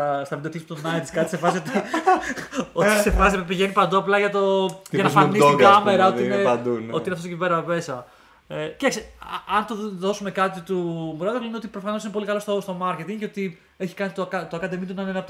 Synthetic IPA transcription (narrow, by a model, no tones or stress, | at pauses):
ɐst̪ɐvind̪oçit̪ut̪onɐjt̪skɐt̪isefɐsiot̪i | ot̪sefɐsipiʝe̞nipɐnd̪uɐplɐʝɐt̪o̞ʝɐnɐfɐnissiɡɐmeɾɐo̞t̪iined̪o̞t̪ineft̪ostociveɾɐve̞sɐ | ect̪ɐksiɐnt̪oðo̞sume̞kɐt̪it̪umuɾɐðokleneot̪̬ipɾofɐnosinepo̞likɐlo̞st̪ost̪omɐɾce̞t̪iŋceo̞t̪i | eçi̥kɐnit̪okɐt̪oɐkɐt̪emint̪unɐnenɐpo